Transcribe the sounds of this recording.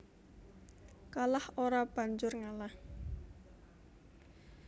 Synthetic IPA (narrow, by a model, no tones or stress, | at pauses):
kalahoɾab̥a̤ɲd͡ʒʊrŋalah